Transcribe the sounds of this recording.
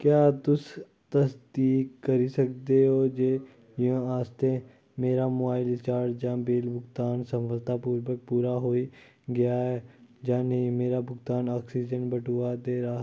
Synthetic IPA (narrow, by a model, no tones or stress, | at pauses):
kjaːt̪ʊs | t̪əsd̪iːkkəɾisəkd̪eɦoːd͡ʒeː | jə̃aːst̪e | meːɾamʊaːɪlɪt͡ʃaːɖd͡ʒãːbeːlbʱʊɡt̪aːnsə̃mʋəlt̪apuːɾʋək̚puːɾaɦoːi | ɡɐjaɦɛd͡ʒãːnɐĩmeːɾabʊɡt̪aːnaːksiːd͡ʒənbəʈuad̪eːɾaː